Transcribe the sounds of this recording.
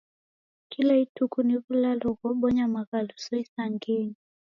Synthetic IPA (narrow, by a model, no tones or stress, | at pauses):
kilaitukuniɣulalɔɣɔɓɔɲamaɣalusɔisaŋɡeni